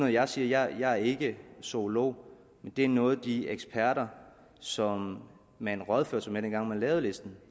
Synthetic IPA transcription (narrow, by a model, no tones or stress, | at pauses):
nɔðˠjɑ̈ɪsiːɐjɑ̈ɪjɑ̈ɪæɐe̝ɡ̥əso̝lo̝̰ʊ̰ː | mend̥e̝æɐnɔ̽ːð̞̩ˠd̥ieɡ̥sb̥ʰæɐ̰ɾɐ | sɒ̽m | mæenʁɒð̞ˠføɐ̰sɐmeɐd̥enɡ̥ɑ̈ŋ̰mænlɛːʊðˠle̝sd̥n̩